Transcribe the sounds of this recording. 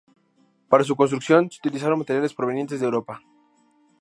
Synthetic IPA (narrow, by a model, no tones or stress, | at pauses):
paɾas̬uko̞nst̪ɾuksjo̞nseut̪ilis̬aɾonmat̪eɾjale̞spɾoβe̞nje̞nt̪e̞zðewɾo̞pa